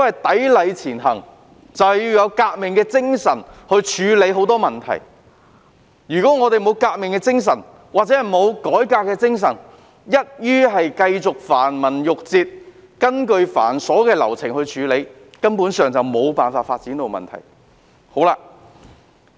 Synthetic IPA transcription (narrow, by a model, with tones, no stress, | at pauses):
t̪o˥hɐ˨jt̪ɐ˨˥jlɐ˨˧jt͡sʰiː˨˩nɦɐ˨˩ŋ | t͡sɐ˨whjiː˧wjɐ˨˧wkaː˧k̚mɪ˨ŋkɛː˧t͡sɪ˥ŋsɐ˨˩nhɵ˧ɥt͡ʃʰyː˨˧le˨˧˥jɦo˨˥wt̪ɔː˥mɐ˨nt̪ʰɐ̰˨˩j | jyː˨˩kɔː˨˥ŋɔː˨˧t̪e˨jmo˨˧wkaː˧k̚mɪ˨˩ŋkɛː˧t͡sɪ˥ŋs̬ɐ˨˩n | waː˨t̚t͡sɛ˨˥hɐ˨˩jmo˨˧wkɔː˨˥jkaː˧kːɛː˧t͡sɪ˥ŋs̬ɐ˨˩n | jɐ˥t̚jyː˥ɦɐ˨jkɐ˧jt͡sʊ˨k̚faː˨˩nmɐ˨˩njʊ˨k̚t͡siː˧t̚ | kɐ˥nkɵ˧ɥfa̰ː˨˩nsɔː˨˥kɛː˧lɐ̰˨˩wt͡sʰɪ˨˩ŋhɵ˧ɥt͡ʃʰyː˨˧le˨˧j | kɐ˥npuː˨˧˥nsœː˨ŋt͡sɐ˨wmo˨˧wpaː˨nfaː˧tfaː˧t̚t͡siː˨˥nt̪o˨wmɐ̰˨nt̪ʰɐ̰˨˩j | ho˨˥wlaː˧